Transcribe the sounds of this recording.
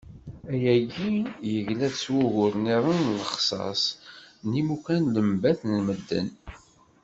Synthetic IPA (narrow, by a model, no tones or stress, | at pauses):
æjæɡijəʝlæðswuɣʊɾniɾˤənləχsˤɑ̰snimukænləmbæθnəlməd̪ːə̰n